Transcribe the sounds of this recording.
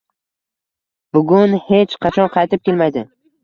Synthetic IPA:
bʊɡʲʊnhe̞t͡ʃqʰɑt͡ʃʰɒnqʰɑjt̪ɪp̚kʲe̞lmajd̪ɪ

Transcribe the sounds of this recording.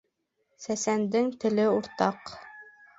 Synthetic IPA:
sæsænd̪ɘŋt̪ɘ̆lɘuɾt̪ɑq

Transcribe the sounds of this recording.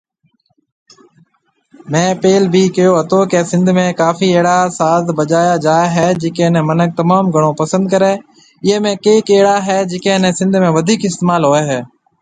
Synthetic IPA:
mɛ̃ːpeːlbʱiːkɪjoːɦɐt̪oːkeːsɪ̃nd̪ʱmẽːkaːfiːeːɽasaːzbəd͡ʒaːjad͡ʒaːeɦɛːd͡ʒeːkẽːnɛ̃mənək̚t̪ɐmaːmɡʱəɽ̃oːpəsə̃nd̪̚kəɾeː | ɪɦemẽːkeːkeːɦɽaɦɛːd͡ʒeːkẽːnẽsɪ̃nd̪ʱmẽːʋəd̪ʱiːkɪst̪eːmaːlɦoːeːɦɛː

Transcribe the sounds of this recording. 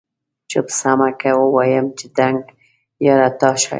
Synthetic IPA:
t͡ʃəpsamakawəwɑjəmt͡ʃɪd̪aŋɡ | jaɾat̪ɑʃa̰

